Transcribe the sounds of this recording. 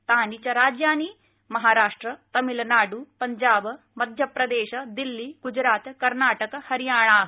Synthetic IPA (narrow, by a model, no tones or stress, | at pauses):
t̪aːnit͡ɕɐɾaːd͡ʒjaːniː | mɐɦaːɾaːʂʈɾɐt̪ɐmilɐnaːɖupɐɲd͡ʒaːb | mɐd̪ʱjɐpɾɐd̪eːʃɐd̪ilːiːɡ̥ud͡ʒɾaːt̪kɐɾnaːʈɐkɐhɐɾjaːɳ̃aːɦ